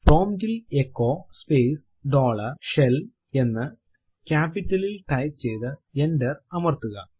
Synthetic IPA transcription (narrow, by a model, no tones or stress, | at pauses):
pro̞ːmd͡ʑilekːo̞ːspeːs | ɖo̞ːɭɐrʂel | e̞nːɨ | kʲaːpːitːɐlilʈɐjt̪̚t͡ɕe̞jt̪ɨendɐrɐmɐrt̪uɣɐ